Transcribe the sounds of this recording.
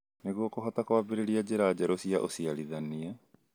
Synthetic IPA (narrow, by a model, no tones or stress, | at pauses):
neɣokoɦatakoabeɾeɾiad͡ʑeɾaːd͡ʑaɾosiaʔosiaɾiðania